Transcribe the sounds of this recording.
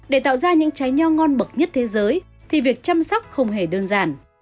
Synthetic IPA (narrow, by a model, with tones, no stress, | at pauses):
ɗe˧˩t̪a̰ː˧˨wzaː˧ɲɨ̰˧˥ŋt͡ɕa˨˦jɲɔ˧ŋɔ˧nɓə˨˩k̚ɲə˦˥t̚t̪ʰe˨˦zəː˨˦j | t̪ʰi˨˩vi˨˩ək̚t͡ɕa˧msɔ˦˥wk͡p̚hə˧wŋ͡mɦe˧˩ɗəː˧nzaː˧˩n